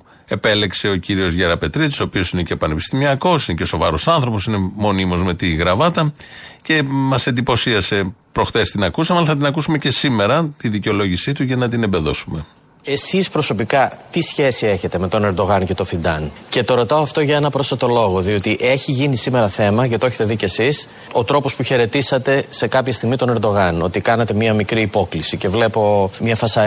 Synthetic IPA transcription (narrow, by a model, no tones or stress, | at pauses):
e̞pe̞le̞kse̞ociɾio̞zʝeɾɐpe̞t̪ɾid̪isopio̞sine̞cepɐne̞pi̥st̪imiɐko̞sineceo̞so̞vɐɾosɐnθɾo̞po̞sine̞mo̞nimo̞zme̞t̪iɣɾɐvɐt̪ɐ | ce̞mɐsend̪ipo̞siɐse̞pɾo̞xθest̪inɐkusɐmɐlθɐt̪inɐkusume̞ce̞sime̞ɾɐt̪iðiceo̞lo̞ʝisit̪uʝɐnɐt̪inembe̞ðo̞sume̞ | e̞sispɾo̞so̞pikɐt̪isçe̞sie̞çe̞t̪e̞me̞t̪o̞ne̞ɾd̪o̞ɣɐnce̞t̪o̞fid̪ɐnce̞t̪o̞ɾo̞t̪ɐoɐft̪o̞ʝɐe̞nɐpɾo̞sɐt̪o̞lo̞ɣo̞ðio̞t̪iʔe̞çiʝinisime̞ɾɐθe̞mɐʝɐt̪oeçet̪e̞ðicesis | o̞t̪ɾo̞po̞spuçe̞ɾe̞t̪isɐt̪e̞se̞kɐpçɐst̪iɣmit̪o̞ne̞ɾd̪o̞ɣɐno̞t̪ikɐnɐt̪e̞miɐmikɾiːpo̞klisice̞vle̞po̞mɲɐfɐsɐ